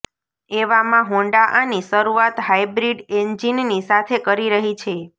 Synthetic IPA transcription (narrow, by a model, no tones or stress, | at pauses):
eʋamãɦõɳɖaʔaniʃəɾuat̪ɦajbɾiɖend͡ʒinnisat̪ʰekəɾiɾəɦit͡ʃʰe